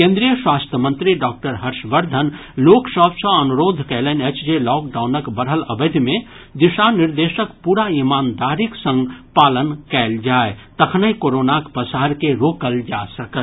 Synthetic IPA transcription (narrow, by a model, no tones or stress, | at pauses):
kẽːnd̪ɾijəswaːst̪ʰjəmə̃nt̪ɾiɖɔːk̚ʈəɾɦəɾʃʋəɾd̪ʱən | loːksɔːbsə̃ɐnuɾoːd̪ʱkɛːlenet͡ʃd͡ʒelɔːkɖaːʊnəkbəɾɦələbed̪mẽ | d̪ɪʃanɪɾd̪eːʃəkpuːɾaimaːnd̪aːɾɪksə̃ŋɡpaːlənkɛːld͡ʒaːet̪ɐkʰnəikoːɾoːnakpəsaːɾkeɾoːkəld͡ʒaːsəkə